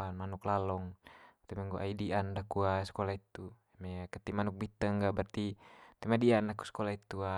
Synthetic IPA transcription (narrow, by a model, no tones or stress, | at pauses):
anmanuklalɔŋt̪ɛmɛŋɡoʔaidiʔandakuasə̥kɔlait̪ːuamɛakət̪ːimanuk̚bit̪ːəŋɡabərt̪it̪ɛmadiandaku̥skɔlait̪ːua